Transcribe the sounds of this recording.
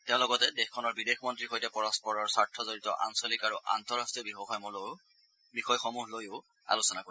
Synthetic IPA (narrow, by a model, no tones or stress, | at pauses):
teʊ̃lɔɡɔtɛdexkʰɔnɔɹbidexmɔntɹixojtɛpɔɹɔspɔɹɔɹsaɹtʰɔzoɹitɔ̰ʔa̰nsɔlikaɹuʔa̰ntɔɹastɹiɔbixɔxɔjmɔlo | bixɔjxɔmuɦlojʊ | a̰lusɔnako